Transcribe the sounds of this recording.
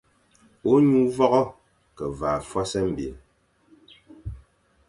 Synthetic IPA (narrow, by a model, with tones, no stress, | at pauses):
o˦ɲu˦vɔ˦ɣɔ˦ | kɛ˨vaː˨fwa˦sɛ˦m̩˨bḭ˨˦